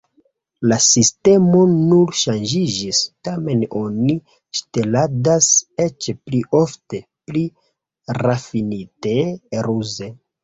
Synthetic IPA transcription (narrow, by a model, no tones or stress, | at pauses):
lasiste̞mo̞nuɾʃand͡ʒid͡ʒistame̞no̞ni | ʃte̞ladaset͡ʃpliʔo̞fte̞pli | rafiniteɾuze̞